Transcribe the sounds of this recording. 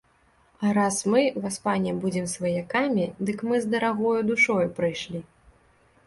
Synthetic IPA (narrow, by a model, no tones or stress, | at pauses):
ɐɾasmɨvaspanʲɛbud͡zʲɛmsvɐjakamʲid̪ɨkmɨzd̪ɐɾaɣɔjud̪uʂɔjupɾɨjʂlʲi